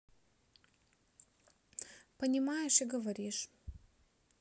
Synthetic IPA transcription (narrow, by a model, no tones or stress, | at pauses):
pɐnʲimajɛʂiɡɐvɐɾʲiʂ